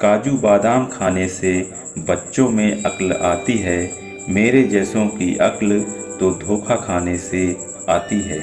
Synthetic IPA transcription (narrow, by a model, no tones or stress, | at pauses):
kaːd͡ʒubaːd̪aːmkʰaːnese | bətːʃõmẽʔɐ̰kla̰ːt̪iɦɛː | meːɾed͡ʒɛːsõkiʔɐkl | t̪od̪ʱoːkʰakʰaːnese | aːt̪iɦɛː